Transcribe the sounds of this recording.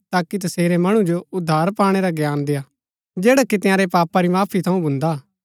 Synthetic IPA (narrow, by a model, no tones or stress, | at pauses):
t̪aːkit̪̬ɐseːɾemɐɽ̃ũd͡ʒoʊd̪ʱːaːɾpaːɽ̃eɾaɡjaːnd̪eja | d͡ʒeːɽakit̪ɪ̃jãːɾepaːpaɾimaːpʰit̪ʰɐũbʱʊ̃nd̪aː